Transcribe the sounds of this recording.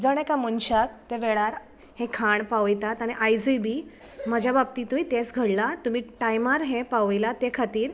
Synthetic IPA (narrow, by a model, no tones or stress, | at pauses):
d͡zəɽ̃ekamunɕak̚t̪eʋeɭaɾ | hẽkʰaɳpaʋjt̪at̪aɽ̃iʔajd͡zujbiː | məd͡ʑʱjabab̚t̪iːt̪umit̪ẽt͡sɡʱəɽlat̪um̤iːʈajmaɾɦẽpaʋjlat̪ekʰat̪iːɾ